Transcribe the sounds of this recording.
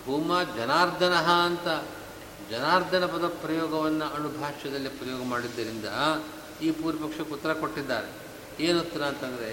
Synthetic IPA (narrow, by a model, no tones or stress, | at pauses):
bʱuːmaːd͡ʒɐnaːɾd̪ʱɐnɐɦɐːnt̪ɐ | d͡ʒɐnaːɾd̪ʱɐnɐpɐd̪ɐpɾɐjɔːɡɐʋɐnːɐɐnubʱaːʂjɐd̪ɐlːipɾɐjɔːɡɐmaːɽid̪ːɐɾind̪ɐ | iːpuːɾɐpɐkʂɐkut̪ːɐɾɐko̞ʈːid̪ːa̰ːɾe | eːnut̪ːɐɾɐːnt̪ɐnd̪ɐɾe